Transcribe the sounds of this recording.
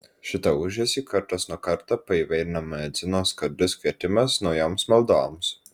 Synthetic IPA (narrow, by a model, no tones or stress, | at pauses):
ʃʲɪt̪ɐʊʒʲɛsʲiːkɐɾt̪ɐsnuɔkɐɾt̪ɑpɐiːʋɐɪɾʲɪnɐmɐɛd̪zʲɪnoːskɐɾʲd̪ʲʊskʲʋʲiɛt̪ʲɪmɐsnɒʊjoːmsmɐlˠd̪oːms